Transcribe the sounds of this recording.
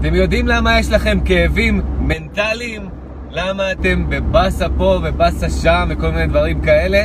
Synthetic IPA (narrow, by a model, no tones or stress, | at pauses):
at̪e̞mjo̞dimlamajeʃlaχe̞mke̞evimːe̞ntalim | lamaːte̞mbe̞basapo̞vebasaʃamveko̞lmined̪vaʁimkae̞le̞